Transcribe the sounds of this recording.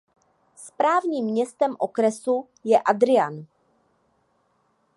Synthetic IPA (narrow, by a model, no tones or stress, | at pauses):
spɾaːvɲiːmːɲɛst̪ɛmʔokɾɛsu | jɛʔad̪ɾɪan